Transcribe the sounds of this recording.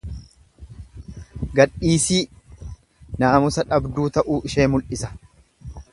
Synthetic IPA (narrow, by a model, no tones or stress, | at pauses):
ɡɐᶑiːsiː | naːmʊsɐᶑɐbd̪uːt̪ɐʔuːʔɪʃeːmʊlʔɪsɐ̥